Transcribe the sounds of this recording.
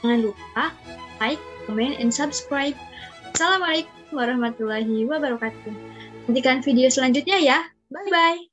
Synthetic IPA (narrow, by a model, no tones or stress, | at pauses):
aŋanlutalajkːɔmɛnɛ̰nsabskɾajb̚asalamalek̚umwaɾɔhmat̪ulaɦiwabaɾɔkat̪̚uənt̪̬ikanfidiosəlaɲd͡ʒut̪̚ɲaja | babaj